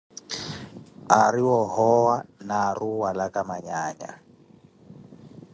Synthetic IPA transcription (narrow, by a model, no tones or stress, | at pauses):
aɾiwɔɦɔwanaruwalakamaɲaːɲa̰